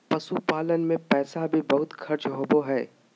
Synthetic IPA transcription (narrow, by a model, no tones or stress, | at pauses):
pɐsupaːlənmẽpɛːsabʱibɐɦʊt̪xʰɐɾt͡ʃɦoːboɦɛː